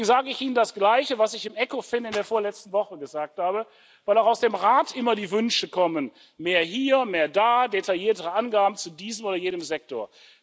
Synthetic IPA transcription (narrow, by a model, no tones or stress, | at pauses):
ŋ̩zaːɡəɪçʔiːnəndasɡ̥laɪçəvasɪçɪmʔɛkofɪnɪndeːɐfoːɐlɛt͡stn̩vɔχəɡəzaːk̚thaːbə | vaɪlaʊxaʊsd̥eːmʁaːtʔɪmɐdiːvʏnʃəkʰɔmən | meːɐɦiːɐmeːɐdaːdetʰaljiːɐtəʁəʔanɡaːbm̩t͡sudiːzəmoːɾɐjeːnəmzɛk̚toːɐ